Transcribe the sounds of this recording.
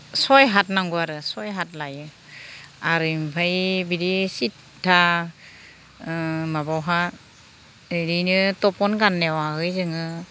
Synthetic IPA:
sɔjɦat̚naŋɡuaɾɯsɔjɦat̚lajɯ | aɾɯmpʰajbiɾisit̚ | tʰːa | mabawɦa | ɯɾinɯtɔpɔnɡanːewahɯjzɯŋɯ

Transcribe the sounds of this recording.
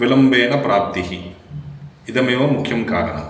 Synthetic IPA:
ilɐmbeːnɐpɾaːp̚t̪iɦi | id̪ɐmeːʋɐmukʰjɐmkaːɾɐ̰nɐ̰

